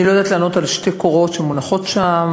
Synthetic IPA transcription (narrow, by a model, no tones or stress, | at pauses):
ilo̞jad̪aːt̪laːno̞t̪alʃte̞koʁo̞t̪ʃemunaχo̞tʃam